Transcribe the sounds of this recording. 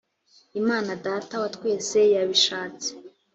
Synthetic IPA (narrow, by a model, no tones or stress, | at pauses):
imaːnadaːtawatwe̞ːse̞jaβiʃaːt͡se̥